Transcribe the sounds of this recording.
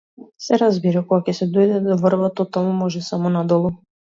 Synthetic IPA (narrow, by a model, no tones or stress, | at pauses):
sɛɾazbiɾakɔɡakɛsɛd̪ɔjd̪ɛd̪ɔvrbat̪ɔt̪amumɔʒɛsamɔnad̪ɔlˠu